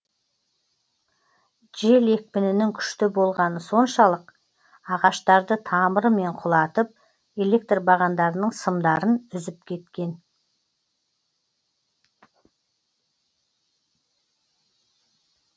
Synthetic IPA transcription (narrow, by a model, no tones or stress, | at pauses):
ʒe̞le̞k̚pɪnɪnɪŋkʲʰʏ̥ʃt̪ɪbo̞lˠʁɑnəso̞nʃɑlˠəq | ɑʁɑʃt̪ɑɾd̪ət̪ʰɑməɾəme̞ɴqʰʊlˠɑt̪əp̚ | e̞le̞k̚t̪rbɑʁɑnd̪ɑɾənəɴsəmd̪ɑɾənʏzɪp̚kʲʰe̞t̪kʲe̞n